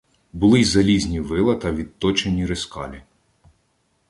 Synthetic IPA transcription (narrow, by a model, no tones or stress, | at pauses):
bʊlˠɪzɐlʲizʲnʲiʋɪlˠɐt̪ɐʋʲid̪̚t̪ɔt͡ʃenʲiɾeskɑ̰lʲi